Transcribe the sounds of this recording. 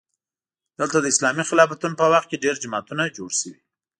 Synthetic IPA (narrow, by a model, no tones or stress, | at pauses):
d̪̥əlt̪ad̪əɪslɑmixɪlɑfat̪unpəwaxt̪̚keɖeɾd͡ʒamɑt̪unad͡ʒoɽsəwi